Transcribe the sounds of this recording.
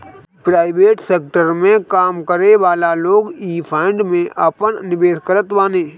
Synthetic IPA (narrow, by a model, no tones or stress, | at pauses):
pɾaːɪʋeːʈseːk̚ʈəɾmẽkaːmkəɾeʋaːlaloːɡiːpʰaːɪ̃ɳɖmẽʔəpəɳnɪbeːskəɾət̪ʋaːnẽː